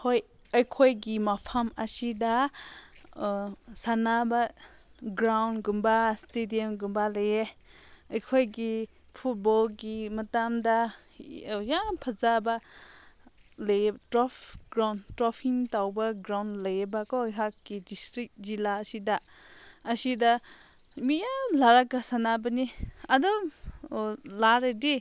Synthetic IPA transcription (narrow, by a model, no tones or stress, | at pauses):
hoj | ɐjkʰojɡimapʰɐmɐsidɐ | sanabɐ | ɡɾawnɡumbastediɔmɡumbalɐje | ɐjkʰojɡi | pʰut̚bɔlɡimɐtamdɐ | jaŋpʰɐzabɐ | lejtɾɔpʰɡɾawntɾɔpʰiŋtawbɐɡɾawnlajbakɔɦakːidistɾik̚zilaɐsidɐ | ɐsidɐ | mijalaɾakːasanabɐniɐdɔ | laɾedi